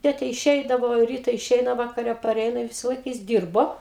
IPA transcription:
ˈtʲeːtʲɛ ɪʃʲˈɛɪdɐʋoː ˈrʲiːtɐ ɪˈʃʲɛɪnɐ ʋɐkɐˈrʲɛ pɐˈrʲɛɪnɐ ɪ ˈʋʲɪsɐlˠɐɪk jɪs ˈdʲiːrboː

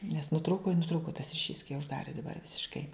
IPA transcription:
nʲɛs nʊˈtruːkʊ ɪ nʊˈtruːkʊ tɐs rʲɪˈʃʲiːs kɐɪ ʊʒˈdɑːrʲɪ dɐˈbɐr ʋʲɪsʲɪʃˈkɐɪ

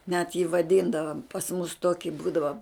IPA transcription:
nʲɛt jiː ʋɐˈdʲiːndɐʋɐm pɐs mʊs ˈtoːkʲɪ ˈbuːdɐʋɐ

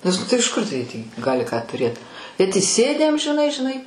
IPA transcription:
nʲɛs ˈnʊ tɐɪ ɪʃ ˈkʊr tɐɪ tʲiː ˈɡɑːlʲɪ kɑː tʊˈrʲeːt bʲɛt iːˈsʲeːdʲæː ɐmʲʒʲɪˈnɐɪ ʒʲɪˈnɐɪ

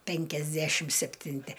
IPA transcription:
pʲɛŋʲkʲɛzʲˈdʲæʃʲɪm sʲɛpʲtʲɪnʲˈtʲɪ

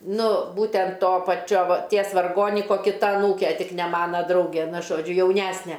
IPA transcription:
ˈnʊ ˈbuːtʲɛnt ˈtoː pɐˈt͡ʃʲoː ʋɐ ˈtʲiɛs ʋɐrˈɡoːnʲɪkoː kʲɪˈtɐ ɐˈnuːkʲɛ ˈtʲɪk nʲɛ ˈmɑːnɐ ˈdrɐʊɡʲɛ ˈnʊ ʒoːˈd͡ʒʲʊ jɛʊˈnʲæsʲnʲɛ

